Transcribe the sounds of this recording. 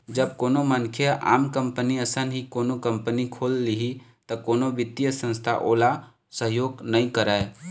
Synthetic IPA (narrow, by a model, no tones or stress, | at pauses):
d͡ʒəb̚koːnomənkʰjəʔa̰ːmkə̃mpəniəsənɦikoːnokə̃mpənikʰoːlːiɦit̪ɐkoːnoʋɪd̪jəsə̃nst̪ʰa̰ʔoːla | səɦjoːɡnəĩkəɾae